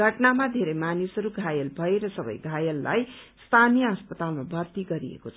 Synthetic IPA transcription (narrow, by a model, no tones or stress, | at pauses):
ɡʱʌʈnamad̪ʱeɾejmanisɦʌɾuɡʱajʌlbʱʌeɾʌsʌbʌ̰jɡʱajʌlːa̰jst̪ʰanijʌɦʌspʌt̪almabʱʌrt̪iɡʌɾḭḛkot͡sʰʌ